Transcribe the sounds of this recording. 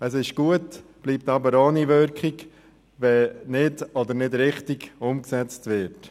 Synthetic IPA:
əs̬ɪʃɡ̥uətb̥liːp̚tɑbəɾoːniʋʏɾkχɪɡ | ʋɛnɪdɔdəɾnɪdɾɪχtiɡʊmksɛt͡stʋɪɾt

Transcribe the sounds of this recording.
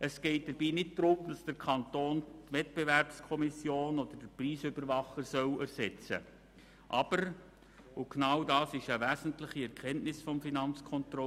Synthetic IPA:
əsɡ̥ɛɪt̚d̥əɾbiːnɪt̚d̥ɾʊmd̥ɑsd̥əɾkʰɑnt̪oːntʋɛt̚b̥eʋɛrpskʰɔmɪsjoːnɔdəɾd̥əɾpriːsʏbəɾʋɑχəɾsœwæɾsɛt͡sə̰ | ʔɑb̥əɾ | ʊknɑwdɑːsɪʃəʋæːzən̩tlɪχiɛɾkʰɛntnɪsfɔmfinɑnt͡skʰɔntɾɔ

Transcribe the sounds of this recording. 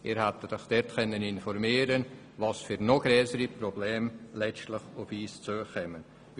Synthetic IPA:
ɪːɾhat̪ədɔχd̥ɛtkɛnːəninfɔrmiːɾən | vɑsfyɾnɔɡ̥ɾøːsəɾiprɔbleːmlɛstləχʊfiːst͡suəkɛmən

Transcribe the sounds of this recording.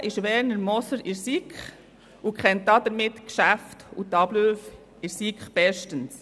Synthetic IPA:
ʔɪʃʋɛːɾnəɾmɔsəɾɪɾsikχ | ukχɛnt̚dɑːd̥əɾmɪtkʃæftutɑb̥løːf | ɪɾsikχb̥ɛʃtəns

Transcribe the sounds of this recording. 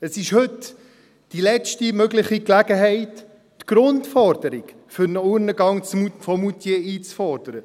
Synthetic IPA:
əsɪʃhɵt | d̥ilɛt͡ʃtimœɡləχiklæɡəɦɛɪtː | ɡ̥ɾʊntfɔrd̥əɾɪk | fʏɾnəuːɾnəɡɑŋt͡smufɔmutjeiːt͡sfɔɾd̥əɾə

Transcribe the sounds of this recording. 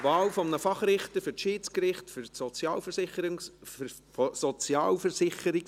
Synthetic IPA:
vɑːwfɔmnəfɑχɾɪχtəfʏɾʃiːt͡skɾɪχtføɾsɔt͡sjɑːlfəɾsɪχəɾ | fsɔt͡sjɑːlfɛɾsɪχəɾik

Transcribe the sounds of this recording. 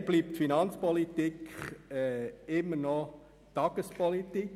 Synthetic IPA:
b̥liːp̚tfinɑnt͡spɔlit̪ikɛɪmːənɔ | t̪ɑɡ̥əspɔlit̪ik

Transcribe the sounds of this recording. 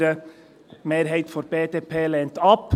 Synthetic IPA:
ɾə | meːɾɦeɪt̪fɔɾbeːt̪eːpʰeːlɛnt̪ɑp

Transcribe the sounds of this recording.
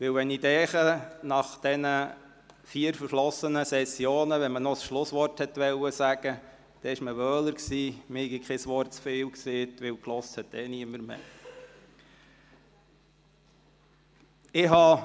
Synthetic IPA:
ʋɪwʋɛnidɛːχənɑχd̥ɛnə | fiːəɾfəɾʃlɔsːənəsɛsjoːnəʋɛnmənɔsʃlʊsʋɔrthɛt̪ʋɛwəsæɡ̥ə | d̪̥ɛɪʃməʋœːləɾksiːmɪhɛɡikʰχɪsʋɔrt̚t͡sfeːwkseːt̪ʋɪwklɔsthɛt̪̚d̥ɛniəməɾmḛː | ɪɦɑ

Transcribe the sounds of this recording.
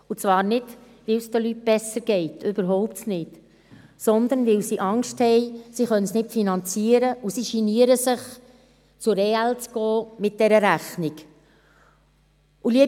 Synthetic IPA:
ut͡svɑːɾnɪd̥ | ʋɪlsd̥əlyt̚b̥ɛsəɾɡ̥ɛɪtʰʏb̥əɾɦɔʊp̚tsnɪt | sɔnd̪ənʋɪlsiʔɑŋʃthɛɪsiχœnənsnɪtfinɑnt͡siːəɾəusiʃiniəɾəsɪχ | t͡sʊɾeɛlt͡sɡ̥ɔːmɪt̚d̥ɛɾəɾæχniɡ | ʔuliə

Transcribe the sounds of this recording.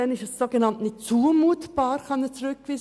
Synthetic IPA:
ɛnɪʃəsːoɡenɑntnɪt͡suːəmuːtbɑːɾχɑnət͡sɾʏkkʋiː

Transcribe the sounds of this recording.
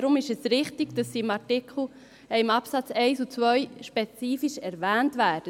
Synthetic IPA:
ɾʊmɪʃɛsɾɪχtɪɡd̥ɑsːiːɪmɑɾtɪkʰl̩ | ɛɪmɑpsɑt͡sɛɪsut͡svœʏʃpet͡siːfiʃɛɾvæːntvæːd̥ə

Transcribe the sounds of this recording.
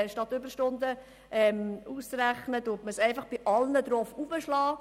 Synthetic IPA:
ʃtɑt̪ːʏbəɾʃtʊnd̪ə | ʔɛmuːst͡sɾæχnədʊtməsɛɪfɑχb̥ɪʔɑlnəd̪ɾɔfubəʃlɑː

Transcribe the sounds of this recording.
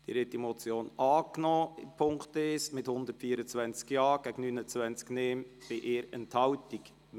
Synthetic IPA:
d̥ḭɾhɛtːimɔt͡sjoːnɑːknɔːɪmpʰʊŋktesmɪthʊnd̪ətfiːəɾət͡svɛnt͡skjɑːɡ̥æɡnːynət͡svɛnt͡skneːmb̥ɪʔɪːɾɛnthɑwtik

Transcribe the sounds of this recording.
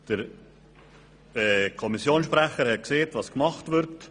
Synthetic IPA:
d̥əɾ | ɛːkʰɔmisjoːnsʃpɾɛχəɾhɛt̚kseːtvɑskmɑχtvɪɾt

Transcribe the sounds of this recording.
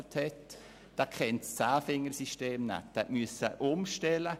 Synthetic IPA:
t̪hɛt | d̥ɑkʰɛntst͡saːfɪŋəɾsiʃteːmnɛ̰tːɛʔmyəsəʔʊmʃtɛlə

